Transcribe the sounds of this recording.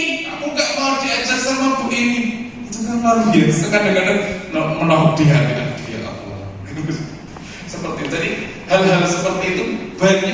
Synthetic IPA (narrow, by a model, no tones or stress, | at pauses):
akuŋɡaʔmaad͡ʒiad͡ʒasamapuini | it̪uɡamaliat̪kakadakadaŋnamənaɦuk̚diɦanidadia̰ʔa̰kua̰ | səpərt̪it̪adi | halɦalsəpərt̪iːt̪ubait̪̚ɲa